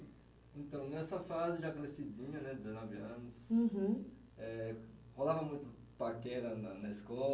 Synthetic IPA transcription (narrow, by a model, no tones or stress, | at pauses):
ẽnt̪ɐ̃w̃nɛsɐfazɪd͡ʒakɾesid͡ʒĩɲɐnɛd̪ɪzenɔvɪɐ̃nʊsɦ | ɛholavɐmũj̃t̪ʊ | pakɛɾɐnɐnɐiskɔ